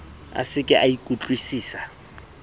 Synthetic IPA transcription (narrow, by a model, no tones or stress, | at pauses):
a̰sɪkʼɪʔaikʼut͡ɬʼwisiːsa